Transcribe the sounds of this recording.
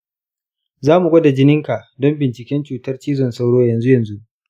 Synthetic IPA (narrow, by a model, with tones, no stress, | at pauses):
zaː˦mu˨ɡʷɐ˦da˨d͡ʒɪ˦nɪ˦ŋka˨ʔdɔ˦mbɪ˨nt͡ʃɪ˨kʲɛ˦nt͡ʃuː˨tɐ˦rt͡ʃiː˦zɔ˨nsa˦wɽoː˦jɐ˨nzu˦jɐ˨nzu˦ʔ